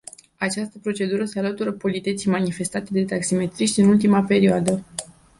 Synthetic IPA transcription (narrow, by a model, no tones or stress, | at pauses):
at͡ʃast̪əpɾo̞t͡ʃe̞d̪uɾəsealət̪uɾəpo̞lit̪e̞t̪sijmanife̞st̪at̪e̞d̪e̞t̪aksime̞t̪ɾiʃt̪ʲɨnult̪imape̞ɾioad̪ə